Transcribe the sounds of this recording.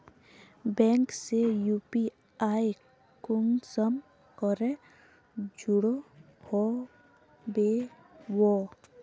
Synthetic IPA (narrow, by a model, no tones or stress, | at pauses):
bɛŋksejupi | aj | kuŋsɔm | kɔɾe | d͡ʒuɽo | hɔ | be | wɔ